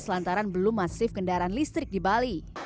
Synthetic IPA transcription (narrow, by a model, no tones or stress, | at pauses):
səlant̪aɾanbəlʊmːasɪfkəndaɾanlist̪ɾɪk̚dibali